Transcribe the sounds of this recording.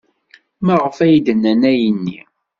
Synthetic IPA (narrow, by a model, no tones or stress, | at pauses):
mæʁəfæjd̪ənːənæjənːi